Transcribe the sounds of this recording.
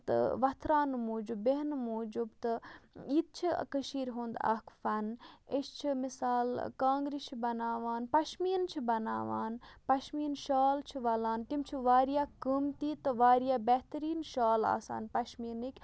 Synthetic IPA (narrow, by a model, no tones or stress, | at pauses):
t̪ɨ̰ʋɐt̪ʰɾaːnmuːd͡ʒubeɦnmuːd͡ʒubt̪ɨit̪̚t͡ʃʰḭkəʃiːɾʲɦũːnd̪ɐ̰kʰfɐneʃt͡ʃʰimɪsaːlkãːŋɡɾit͡ʃʰibɐnaːʋaːnpɐʃmiːnt͡ʃʰibɐna̰ːʋa̰ːnpɐʃmiːnʃaːlt͡ʃʰiʋɐlaːnt̪imt͡ʃʰiʋaːɾijaːkəːmt̪iːt̪ɨʋaːɾijaːbɛht̪ɾiːnʃaːla̰ːsa̰ːnpɐʃmiːnikʲ